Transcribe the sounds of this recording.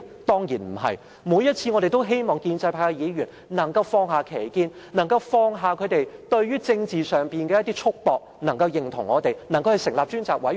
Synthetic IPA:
t̪ɔː˥ŋjiː˨˩nm̩˨˩ɦɐ̰˨j | muː˨˧˦jɐ˥t̚t͡sʰiː˧ŋɔː˨˧ɾe˨˩jt̪o˥wɦe˥jmɔː˨ŋkiː˧nt͡sɐ˧jpʰaː˧jɐ˧jiː˨˧ɥyː˨˩n | nɐ˨˩ŋkɐ˧wfɔː˧ŋɦaː˨kʰe˨˩jkiː˧n | nɐ˨˩ŋkɐ˧wfɔː˧ŋɦaː˨kʰɵ˨˧t̪e˨jt̪ɵ˧ɥɥyː˥t͡sɪ˧ŋt͡siː˨sœː˨˩ŋpiː˨nkɛː˧jɐ˥t̪i˥t͡ʃʰʊ˥k̚pɔː˨˧k̚nɐ˨˩ŋkɐ˧wjɪ˨˩ŋt̪ʰʊ˨˩ŋːɔː˨˧t̪e˨jnɐ˨˩ŋkɐ˧whɐ˨jsɪ˨˩ŋlaː˨p̚t͡ʃyː˥nt͡saː˨k̚wɐ˨˥j

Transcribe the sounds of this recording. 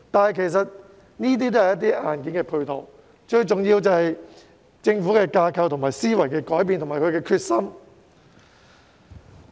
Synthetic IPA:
t̪aː˨nhɐ˨jkʰe˨˩js̬ɐ˨t̚ | niː˥t̪̬iː˥t̪̬o˥hɐ˨jɐ˥t̪̬iː˥ʔaː˨nkiː˨˥nkɛː˧pʰu˧t̪ʰo˨w | t͡ʃɵ˧ɥt͡sʊ˨ŋjiː˧wt͡sɐ˨whɐ˨j | t͡sɪ˧ŋfuː˨˥kɛː˧kaː˧kʰɐ˧wt̪ʰʊ˨˩ŋmaː˨jsiː˥wɐ˨˩jkɛː˧kɔː˨˥jp̬iː˨nt̪ʰʊ˨˩ŋmaː˨˩kʰɵ˨˧ɥkɛː˧kʰyː˧t̚sɐ˥m

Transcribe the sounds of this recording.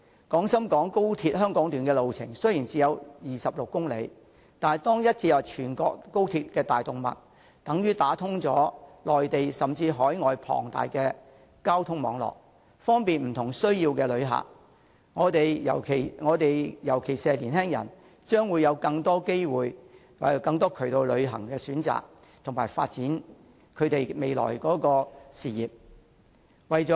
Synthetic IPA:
kɔː˨˥ŋsɐ˥mkɔː˨˥ŋko˥wt̪ʰiː˧t̚ɦœː˥ŋkɔː˨˥ŋt̪yː˨nkɛː˧lo˨wt͡sʰɪ̰˨˩ŋsɵ˥ɥjiː˨˩nt͡siː˨˧jɐ˨˧wjiː˨sɐ˨p̚lʊ˨kːʊ˥ŋle˨˧j | t̪aː˨t̪ɔː˥ŋjɐ˥t̚t͡sʰiː˧jɐ˨˩wt͡ʃʰyː˨˩nkɔː˧kːo˥wt̪ʰiː˧˥t̚kɛː˧t̪aː˨jt̪ʊ˨ŋmɐ̰˨t̚ | t̪ɐ˨˥ŋjyː˥t̪aː˨˥t̪ʰʊ˥ŋt͡sɔː˨˥lɔː˨jt̪e˨jsɐ˨mt͡siː˧ɦɔː˨˥jŋɔː˨jpʰɔ̰ː˨˩ŋt̪a̰ː˨jkɛː˧ | kaː˥wt̪ʰʊ˥ŋmɔː˨˧ŋlɔ̰ː˨k̚ | fɔː˥ŋpiː˨nm̩˨˩t̪ʰʊ˨˩ŋsɵ˥ɥjiː˧wkɛː˧lɵ˨˧ɥɦa̰ː˨˩ | ŋɔː˨˧t̪e˨jjɐ̰˨˩wkʰe˨˩jŋɔː˨˧t̪e˨jjɐ˨˩wkʰe˨˩jsɛː˧liː˨˩nhɛː˥ŋjɐ̰˨˩n | t͡ʃœː˥ŋwuː˨˧jɐ˨˧wkɐ˧ŋt̪ɔː˥ke˥jwuː˨j | wkɐ˧ŋt̪ɔː˥kʰɵ˨˩t̪o˧wlɵ˨˧ɥɦɐ˨˩ŋkɛː˧syː˨˥nt͡sa̰ː˨k̚ | t̪ʰʊ˨˩ŋmaː˨˩jfa̰ː˧t̚t͡siː˨˥n | kʰɵ˨˧˥t̪e˨jme˨jlɔ̰ː˨˩jkɔː˨˥kɔː˧siː˨˩jiː˨p̚ | wɐ˨jt͡sɔː˨˥

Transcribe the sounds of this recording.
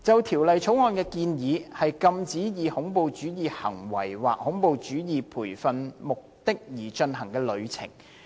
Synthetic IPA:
t͡sɐ˨wt̪ʰiː˨˩wlɐ˨jt͡ʃʰo˨˥wŋɔː˧nkɛː˧kiː˧njiː˨˧hɐ˨jkɐ˧mt͡siː˨˥jiː˨˧hʊ˨˥ŋpo˨˧wt͡ʃyː˨˥jiː˨hɐ̰˨˩ŋwɐ̰˨˩jwa̰ː˨k̚hʊ˨˥ŋpo˨˧wt͡ʃyː˨˥jiː˨pʰuː˨˩jfɐ˨nmʊ˨k̚t̪ɪ˥k̚jiː˨˩t͡ʃɵ˧nɦɐ˨˩ŋkɛː˧lɵ˨˧ɥt͡sʰɪ̰˨˩ŋ

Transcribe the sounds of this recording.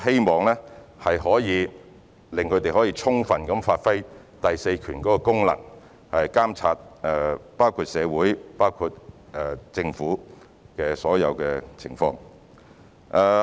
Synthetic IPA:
he˥jmɔː˨˩ŋlɛː˥hɐ˨jɦɔː˨˥jiː˨˧ | lɪ˨ŋkʰɵ˨˧ɥt̪e˨jɦɔː˨˥jiː˧t͡sʰʊ˥ŋfɐ˨nkɐ˨˧˥mfaː˧t̚fɐ˥j | t̪ɐ˨jse˧jkʰyː˨˩nkɔː˨˥kɔː˧kʊ˥ŋlɐ̰˨˩ŋ | hɐ˨jkaː˥mt͡sʰaː˧t̚ɛ˧paː˥wkʰuː˧t̚sɛː˨˧wuː˨˥jpaː˥wkʰuː˧t̚ɛː˧t͡sɪ˧ŋfuː˨˥ | kɛː˧sɔː˨˥jɐ̰˨˧wkɛː˧t͡sʰɪ̰˨˩ŋfɔ̰ː˧ŋ | ʔɛ˧

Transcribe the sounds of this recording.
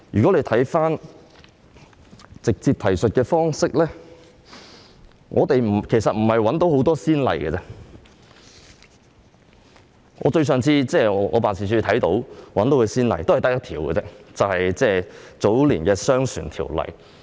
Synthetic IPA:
jyː˨˩kɔ˨˥le˧jt̪ʰɐ˨˥jfaː˥n | t͡sɪ˨k̚t͡siː˧p̚t̪ʰɐ˨˩jsɵ˨t̚kɛː˧fɔː˥ŋsɪ˥k̚lɛː˥ | ŋʔɔː˨˧t̪e˨jm̩˨˩kʰe˨˩jsɐ˨t̚m̩˨˩hɐ˨jwɐ˨˥nt̪o˨˥who˨˥wt̪ɔː˥siː˥nlɐ̰˨˩jɡɛ̰˧t͡sɛ˥ | ŋʔɔ̰ː˨˧t͡ʃɵ˧ɥsœː˨˧ŋt͡sʰiː˧t͡sɛː˥˩ɔ˨˧ʔɔ̰ː˨˧paː˨nsʰiː˨˩syː˧t̪ʰɐ˨˥jt̪o˨˧˥wwɐ˨˥nt̪o˧˥kɵ˨˧siː˥nlɐ̰˨jt̪o˥hjt̪ɐ˥k̚jɐ˥t̪ʰiː˨˩wkɛ̰˧t͡sɛː˥t͡sɐ˨whɐ˨jt͡sɛː˥˩t͡so˨˥wliː˨˩nkɛː˧sœː˥ŋsʰy̰ː˨˩nt̪ʰḭː˨˩wlɐ̰˨˩j

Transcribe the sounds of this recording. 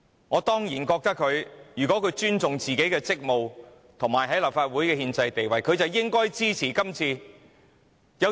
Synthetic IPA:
ŋɔː˨˧t̪ɔː˥ŋjiː˨˩nkɔː˧k̚t̪ɐ˥kʰːɵ˨˧ɥjyː˨˩kɔ˨˥kʰɵ˨˧ɥt͡ʃyː˥nt͡sʊ˨ŋt͡siː˨ke˨˥jkɛː˧t͡sɪ˥k̚mo˨w | t̪ʰʊ˨˩ŋmaː˨jɦɐ˨˥jlaː˨˩p̚faː˧t̚wuː˨˥jkɛː˧hiː˧nt͡sɐ˧jt̪e˨jwɐ˨jkʰɵ˨˧ɥt͡sɐ˨wjɪ˥ŋkɔː˥jt͡siː˥t͡sʰiː˨˩kɐ˥mt͡sʰiː˧ | jɐ˨˧

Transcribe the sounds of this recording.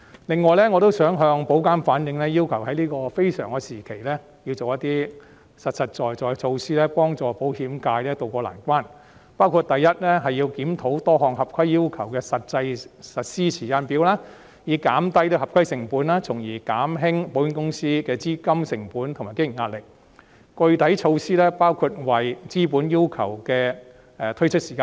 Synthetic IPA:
lɪ˨˧ŋːɔː˨jlɛː˥ŋɔː˨˧t̪o˥wsœː˨˥ŋɦœː˧ŋpo˨˥wkaː˥nfaː˨˥njɪ˨ŋlɛː˥jiː˥wkʰɐ˨˩whɐ˨˥jliː˥kɔː˧fe˥jsœ̰ː˨˩ŋkɛː˧siː˨˩kʰe˨˩jlɛː˥ | jiː˧wt͡so˨wjɐ˥t̪iː˥ | sɐ˨t̚sɐ˨t̚t͡ʃɔː˨jɔː˨˩jt͡sʰo˧wsiː˥lɛː˥pɔː˥ŋt͡sɔː˨˩po˨˥whiː˨˥mkaː˧jlɛː˥t̪o˧wkɔː˧la̰ː˨˩nkʷaː˥n | paː˥wkʰu˨˧t̚t̪ɐ˨jːɐ˥t̚lɛ˥ɦɐ˨jji˧wkiː˨˥mt̪ʰo˨˥wt̪ɔː˥ɦɔː˨ŋɦɐ˨p̚kʰɐ˥jːiː˥wkʰɐ˨˩wkɛː˧sɐ˨˩t̚t͡sɐ˧jsɐ˨t̚siː˥t͡sʰiː˨˩kaː˧npiː˨˥wlaː˥ | jiː˨˧kaː˨˥mt̪ɐ˥jt̪o˧ɦɐ˨p̚kʰɐ˥jsɪ˨˩ŋpuː˨˥naː˥t͡sʰʊ˨˩ŋjiː˨˩kaː˨˥mɦɪ˥ŋpo˨˥wɪ˥nkʊ˥ŋsiː˥kɛː˧t͡siː˥kɐ˥msɪ˨˩ŋpuː˨˥nt̪ʰmaː˨˩jkɪ˥jɪ˨˩ŋaː˧t̚lɪ˨k̚ | kɵ˧ɥt̪ɐ˨˥jt͡ʃʰo˧wsiː˥lɛː˥paː˥wkʰuː˧t̚wɐ˨jt͡siː˥puː˨˥nji˥wkʰɐ̰˨˩wkɛː˧ | ɛː˧t̪ʰɵ˥ɥt͡ʃʰɵ˥t̚siː˨˩kaː˧

